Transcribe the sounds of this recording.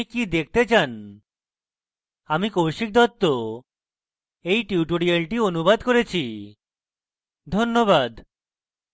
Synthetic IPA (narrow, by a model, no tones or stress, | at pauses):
ikid̪ek̚ʰt̪et͡ɕan | amikowʃik̚d̪ɔt̪ːo | ejʈiuʈoɽialʈionubad̪koɾet͡ɕʰi | d̪ʱonːobad̪